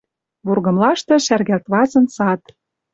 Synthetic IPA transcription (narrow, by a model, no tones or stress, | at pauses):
βurɣɤ̆mlɑʃt̪ɤ̆ʃærɣælt̪βɑzɤ̆nsɑt̪